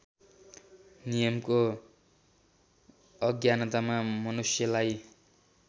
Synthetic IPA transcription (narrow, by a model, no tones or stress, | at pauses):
nijʌmko | ʌɡjanʌt̪amamʌnusjʌlaj